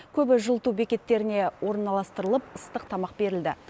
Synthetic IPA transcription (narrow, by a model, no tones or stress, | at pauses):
kʲʰɵbɪʒəlˠt̪ubekʲe̞t̪ːe̞ɾɪne̞wo̞ɾənːɑlˠɑst̪əɾəlˠəpəst̪əqt̪ʰɑmɑq̚be̞ɾɪld̪ɪ